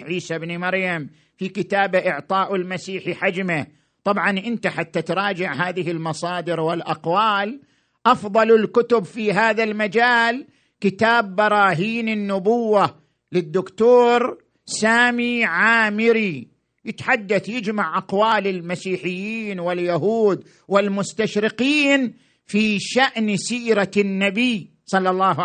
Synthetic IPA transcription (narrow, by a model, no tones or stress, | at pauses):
ʕiːsabnimɑɾjam | fikɪt̪aːbaʔɪʕt̪ˤɑːʔɪlmasiːħiħad͡ʒma | t̪ˤɑbʕɑnʔɪnt̪aħat̪ːat̪ɾˤɑːd͡ʒɪʕɦaːðɪɦɪlmɑsˤɑːd̪ɪɾwɪlʔɑqwaːl | ʔɑfðˤɑlɪlkʊt̪ʊbfiɦaːðalmad͡ʒaːl | kɪt̪aːbːɑɾˤɑːɦiːnɪnːʊbʊwːa | lɪd̪ːʊkt̪oːɾ | saːmiʕaːmɪɾi | jɪt̪ħad̪ːaθjɪd͡ʒmaʕʔɑqwaːlɪlmasiːħɪjːiːnwɪljaɦuːd̪ | wɪlmʊst̪aʃɾɪqiːn | fiːʃaʔnsiːɾanːabij | sˤɑlːɑlːɑːɦ